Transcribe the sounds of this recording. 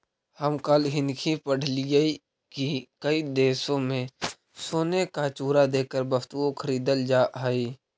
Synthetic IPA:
həmkaːlɦɪnkʰipəɽ̤lijəi | kikəid̪eːsõmẽ | soːnekat͡ʃuːɾad̪eːkəɾbəfʰt̪uokʰəɾiːd̪əld͡ʒaːʔɦaiː

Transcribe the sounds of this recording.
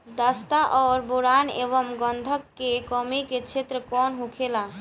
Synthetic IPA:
d̪ast̪aʔɔːɾboɾanḛbɔmɡɔnd̪ʱɔkːekɔmiket͡ʃʰet̪ɾəkɔnɦukʰela

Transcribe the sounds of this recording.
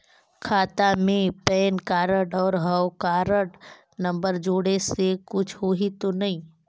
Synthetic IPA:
kʰaːt̪amẽpɛːnkaːɾəɖɔːɾɦɐwkaːɾəʈ | nɐ̃mbəɾd͡ʒoːɽesekʊt͡ʃʰɦoɦit̪onɐɦĩː

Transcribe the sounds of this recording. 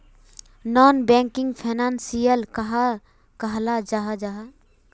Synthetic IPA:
nɔːnbɛ̃ːŋkɪ̃ŋɡpʰeːnaːnsijəlkɐɦa | kɐɦlad͡ʒaɦad͡ʒaɦa

